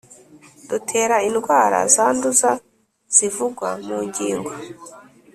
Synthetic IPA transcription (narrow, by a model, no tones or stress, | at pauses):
dutʰe̞ːɾainɡwaːɾa̰zaːnduza | z̥ivuɡwamuːɲɟiːŋɡo